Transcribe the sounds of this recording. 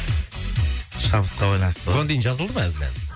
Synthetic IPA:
ʃɑbət̪̚qɑbɑjlˠɑnsoɑnd̪ejɪnʒɑzəlˠd̪əmɑæzɪlḛn

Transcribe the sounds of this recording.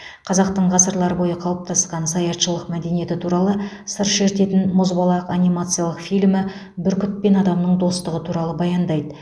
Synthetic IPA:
qʰɑzɑq̚t̪əɴʁɑsəɾlˠɑɾəbo̞jəqʰɑw̪ˠəp̚t̪ɑsqɑnsɑjɑt̪ʃəlˠəqmæd̪e̞nije̞t̪ɪt̪ʰuɾɑlˠə | səɾʃe̞ɾt̪e̞t̪ɪnmozbɑlˠɑəqɑnijmat̪sɨjɑlˠəqfijlmɪ | bɪɾkʲʏt̪̚pe̞nɑd̪ɑmnəɴd̪o̞st̪əʁət̪ʰuɾɑlˠəbɑjɑnd̪ɑjd̪ə

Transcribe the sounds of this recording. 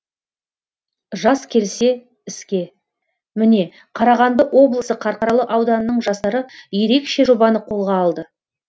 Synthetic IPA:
ʒɑskʲʰe̞lse̞ | ɪskʲe̞ | mɪne̞ | qʰɑɾɑʁɑnd̪əʔwʔo̞blˠəsəqʰɑɾqɑɾɑlˠəʔɑwd̪ɑnənəɴʒɑst̪ɑɾəje̞ɾe̞kʃe̞ʒo̞bɑnəqʰo̞lˠʁɑːlˠd̪ə

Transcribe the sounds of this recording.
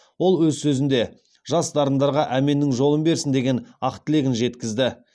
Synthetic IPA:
wo̞lˠwɵzsɵzɪnd̪e̞ | ʒ̥ɑsd̪ɑɾənd̪ɑɾʁɑʔæme̞nːɪŋʒo̞lˠəmbe̞ɾsɪnd̪e̞ɡʲe̞nɑqt̪ʰɪle̞ɡʲɪnʒe̞t̪kʲɪzd̪ɪ

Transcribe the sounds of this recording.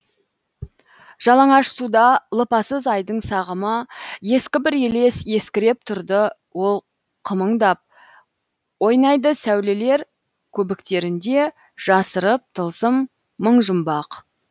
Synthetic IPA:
ʒ̥ɑlˠɑɴɑʃsud̪ɑlˠəpɑsəzɑjd̪əɴsɑʁəməje̞skʲɪbɪɾe̞le̞sje̞skʲɪɾep̚t̪ʰʊɾd̪ə | wo̞lˠ | qʰəməɴd̪ɑp̚ | wo̞jnɑjd̪əsæwle̞le̞ɾ | kʲʰɵbɪkt̪e̞ɾɪnd̪e̞ | ʒ̥ɑsəɾəp̚t̪ʰəlˠsəmː | əɴʒʊmbɑq

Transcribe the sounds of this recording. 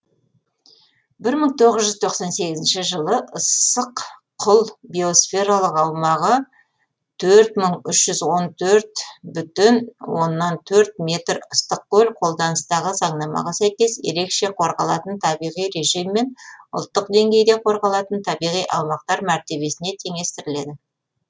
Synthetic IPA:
bɪɾməɴt̪ʰo̞ʁəzʒʏzt̪ʰo̞qsɑnse̞ɡʲɪzɪnʃɪʒəlˠəʔəsəqqʰːʊlˠbio̞sfʲe̞ɾalˠəqɑwmɑʁə | t̪ʰɵɾt̪məɴʏʃʒ̥ʏzwo̞nt̪ʰɵɾt̪bʏt̪ɪnwo̞̰nːɑnt̪ʰɵɾt̪̚me̞t̪ɾʊst̪əqkɵlqʰo̞lˠd̪ɑnəst̪ɑʁəzɑɴnɑmɑ̰ʁɑsæjkʲe̞sje̞̰ɾe̞kʃe̞qʰo̞ɾʁɑlˠɑt̪ənt̪ʰɑbijʁijɾe̞ʒijmːe̞nʊ̰lˠt̪ːəqd̪e̞ŋɡʲe̞jd̪e̞qʰo̞ɾʁɑlˠɑt̪ənt̪ʰɑbijʁijʔɑ̰wmɑq̚t̪ɑɾmæɾt̪e̞βe̞sɪne̞t̪ʰe̞ŋe̞st̪ɪɾɪle̞d̪ɪ

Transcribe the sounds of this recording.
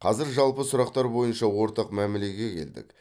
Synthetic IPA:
qʰɑzɪɾʒɑlˠpəsʊɾɑq̚t̪ɑɾbo̞jənʃɑwo̞ɾt̪ɑqmæmele̞ɡʲe̞kʲʰe̞̰ld̪ɪ̰k

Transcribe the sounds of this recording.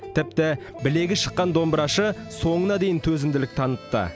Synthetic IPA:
t̪ʰɪp̚t̪ɪ | bɪle̞ɡʲɪʃəqːɑnd̪o̞mbɾɑʃə | so̞ɴənɑd̪e̞jɪnt̪ʰɵzɪmd̪ɪlɪk̚t̪ʰɑnət̪ːə̰

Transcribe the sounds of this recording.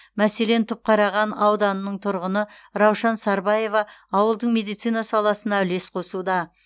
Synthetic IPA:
mæse̞le̞nt̪ʰʊp̚qʰɑɾɑʁɑnɑwd̪ɑnənəɴt̪ʰʊɾʁənəɾɑwʃɑnsɑɾbɑje̞vɑːwəlˠd̪əɴme̞d̪ijt̪sijnɑsɑlˠɑsənɑʏle̞sqʰo̞sud̪ɑ

